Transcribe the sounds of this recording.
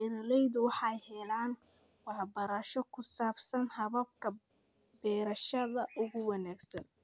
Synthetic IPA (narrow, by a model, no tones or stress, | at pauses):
ɛɾɐlɛjðʊwɑħɑjhɛlaːn | wɑħbɐɾaːʃɔkʰʊsaːbsɐnhɐβɐb̚kʰɐ | bɛːɾɐʃɐðɐʔʊɣʊwɑnaːɡsɐ̰n